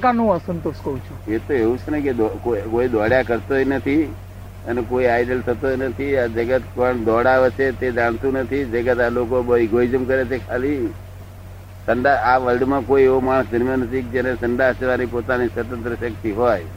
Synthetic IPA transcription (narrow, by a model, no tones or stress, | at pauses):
kanũəsənt̪oskəũt͡ʃʰuet̪oeɦũt͡ʃʰenəked̪ɔkokoid̪ɔɽjakəɾt̪oɦnət̪ʰi | ənekoiajɖəlt̪ʰət̪oinət̪ʰiad͡ʒəɡət̪kɔɳd̪ɔɽaʋet͡ʃʰet̪ed͡ʒaɽ̃t̪ũnət̪ʰid͡ʒəɡət̪alokobəiɡʱoid͡ʒəmkəɾet͡ʃʰekʰali | səɳɖaaʋəlɖmãkoieʋomaɭ̃sd̪əɾmjãnəsik̚d͡ʒenesəɳɖaseʋanipot̪anisʋət̪ə̃nt̪ɾəʃək̚t̪iɦɔj